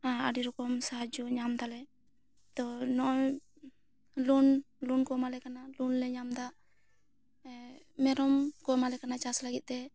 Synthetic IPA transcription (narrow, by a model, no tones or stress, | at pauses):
aaɖiɾɔkɔmsaɦad͡ʒuɲamd̪alɛ | t̪ɔnɔʔ | lun | lunkɔmalɛkanalunlɛɲamd̪aʔ | mɛɾɔmkɔmalɛkanat͡ʃaslaɡit̪̚ˀt̪ɛ